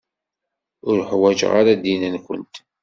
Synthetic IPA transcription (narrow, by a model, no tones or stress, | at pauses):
ʊɾħwæd͡ʒʁa̰ɾad̪inənkʷə̰nt̪